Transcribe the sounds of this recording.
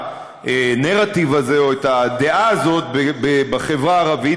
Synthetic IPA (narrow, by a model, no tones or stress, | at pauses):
ʔeneʁativaze̞o̞etad̪eʔaːzo̞t̪bebebaχe̞vʁaːʁavi